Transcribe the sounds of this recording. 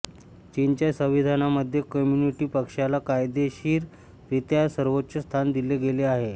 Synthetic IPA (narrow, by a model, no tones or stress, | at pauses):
t͡ɕint͡ɕjasəʋid̪ʱanaməd̪ʱːjekəmjuniʈiːpəkʂalakajd̪eɕiːɾ | ɾit̪jasəɾʋot̪ːɕəst̪ʰand̪ileɡeleaɦe